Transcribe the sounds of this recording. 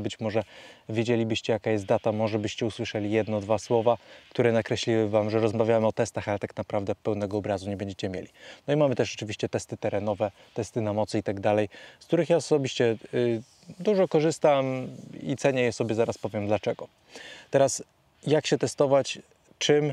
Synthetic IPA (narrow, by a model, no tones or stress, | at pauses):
bɘt͡ɕmɔʐɛvjed͡ʑelʲibɘɕt͡ɕɛjakajɛst̪d̪at̪amɔʐɛbɘɕt͡ɕɛuswɘʂɛlʲijɛd̪nɔd̪vaswɔvakt̪uɾɛnakɾɛɕlʲiwɘvamʐɛɾɔzmavʲjamɘɔt̪ɛst̪axalɛt̪aknapɾavd̪ɛpɛwnɛɡɔːbɾazuɲɛbɛɲd͡ʑet͡ɕɛmʲjḛlʲinɔimamɘt̪ɛʂʐɛt͡ʂɘvʲiɕt͡ɕɛt̪ɛst̪ɘt̪ɛɾɛnɔvɛt̪ɛst̪ɘnamɔt̪sɘit̪aɡd̪alɛjsk̚t̪uɾɘxjaɔsɔbʲiɕt͡ɕɛ | d̪uʐɔkɔʐɘst̪amḭt̪sɛɲɛjɛsɔbʲjɛzaɾaspɔvʲjɛmd̪lat͡ʂɛɡɔ | t̪ɛɾas | jakɕɛt̪ɛst̪ɔvat͡ɕ | t͡ʂɘm